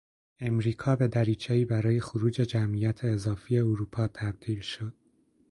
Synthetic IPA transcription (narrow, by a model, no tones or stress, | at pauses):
e̞mɾiːkʰɒːbe̞d̪æɾiːt͡ʃʰeiːbæɾɒːje̞xoɾuːd͡ʒe̞d͡ʒæmʔijæt̪ʰe̞ːzɒːfije̞oɾuːpʰɒːt̪ʰæb̚d̪̥iːlʃo̞d̪̥̚